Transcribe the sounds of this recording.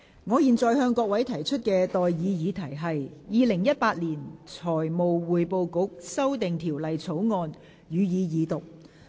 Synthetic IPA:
ŋɔː˨˧jiː˨nt͡sɔː˨jhœː˧ŋkʷɔː˧k̚wɐ˨˥jt̪ʰɐ˨˩jt͡ʃʰɵ˥t̚kɛː˧t̪ɔː˨jjiː˨˧jiː˨˧t̪ʰɐ˨˩jɦɐ˨jjiː˨˧lɪ˨˩ŋjɐ˥t̚paː˧t̚liː˨˩nt͡sʰɔː˨˩jmo˨wwuː˨jpo˧wkʊ˨˥k̚sɐ˥wt̪ɪ˨ŋt̪ʰiː˨˩wlɐ˨jt͡sʰo˨˥wŋɔː˧n | jyː˨˧jiː˨˧jiː˨˧t̪ʊ˨k̚

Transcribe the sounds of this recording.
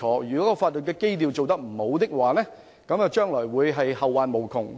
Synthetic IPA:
ɔː˨˩jyː˨˩kɔː˨˦˥kɔː˧faː˧t̚lɵ˨t̚kɛː˧ke˥jt̪iː˨wt͡so˨wt̪ɐ˥k̚m̩˨˩ho˨˧wt̪ɪ˥k̚waː˨lɛː˥ | kɐ˨˥mjɐ˨˧wt͡ʃœː˥ŋlɔː˨˩jwuː˨˧jɦɐ˨jhɐ˨wːaː˨nmo˨˩wkʰʊ˨˩ŋ

